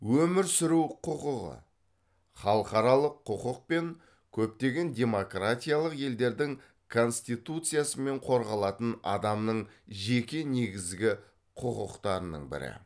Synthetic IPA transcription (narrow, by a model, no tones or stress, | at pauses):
wɵmɪɾsʏɾuwqʰʊqʊʁə̰ | χɑlˠəqɑɾɑlˠəqʰːʊqəq̚pe̞ŋ | kʲʰɵp̚t̪e̞ɡʲe̞nd̪ʲe̞mo̞krat̪ʲijalˠəqje̞ld̪e̞ɾd̪ɪŋ | kʰo̞nst̪ijt̪ut̪sɨjasəme̞ɴqʰo̞ɾʁɑlˠɑt̪ənɑ̰d̪ɑmnəɴʒe̞kʲe̞ne̞ɡʲɪzɡʲɪ | qʰʊqʊqt̪ɑɾənə̰ɴbɪ̰ɾɪ̰